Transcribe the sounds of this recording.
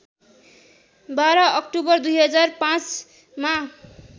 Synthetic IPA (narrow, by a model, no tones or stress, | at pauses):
baɾʌʌk̚ʈubʌrd̪ujɦʌd͡zarpãt͡s | ma